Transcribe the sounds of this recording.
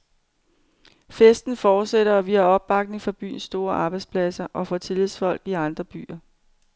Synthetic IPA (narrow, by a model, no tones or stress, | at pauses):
fesd̥n̩fɒːd̥seɾɐɒʋiɐɒ̽b̥ːɑ̈ɡ̥̚ne̝ŋfɒb̥y̰ːnsːd̥o̝ːɐʔɑ̈ːb̥ɑ̈ɪdspʰlæsɐʔɒ̽fɒ̽t͡sʰe̝liðˠsfɒ̽l̰ɡ̥iɑ̈nd̥ʁɐb̥y̰ːɐ